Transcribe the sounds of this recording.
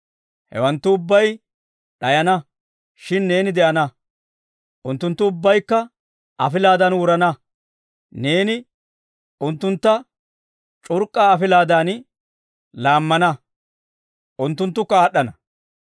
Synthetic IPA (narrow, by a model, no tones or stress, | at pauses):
hɛ̰wɐnt̪ːʊʊbːɐj | ɗɐjɐnɐ | ʃɪnːe̞ːnɪd̪ɛʔɐnɐ | ʔʊnt̪ːʊnt̪ːʊʊbːɐjkːɐ | ɐfɪlaːd̪ɐnwʊɾɐnɐ | ne̞ːnɪ | ʊnt̪ːʊnt̪ːɐ | t͡ʃʼʊɾkʼːaːɐfɪlaːd̪aːn | laːmːɐnɐ | ʔʊnt̪ːʊnt̪ːʊkːɐaːɗːɐnɐ